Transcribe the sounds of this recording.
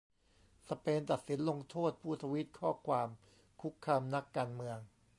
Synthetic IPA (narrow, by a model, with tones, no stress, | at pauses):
sa˧peː˧nt̪a˨˩t̪̚si˩˦nlo˧ŋt̪ʰoː˥˩t̪̚pʰuː˥˩sʰa˧wi˦˥t̪̚kʰɔː˥˩kʰwaː˧m | kʰu˦˥kʰːaː˧mna˦˥kːaː˧nmɯ˧əŋ